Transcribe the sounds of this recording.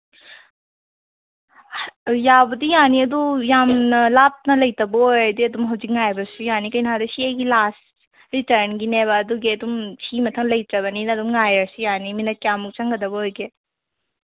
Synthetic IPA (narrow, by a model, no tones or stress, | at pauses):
jabɐdijaniɐd̪ujamnɐlap̚nɐlɐjtɐbɐɦojdiɐdumɦɐwd͡ʒik̚ŋajbɐsujanikɐjnɐɦadɐsiɐjɡilas | ɾitɐɾnɡineβɐːd̪uɡiɐd̪umsimɐtʰɐŋlɐjtɐβɐninɐdumŋajɾɐsijaniminɐkjamuk̚t͡ʃɐŋɡɐdɐbɐɦojɡe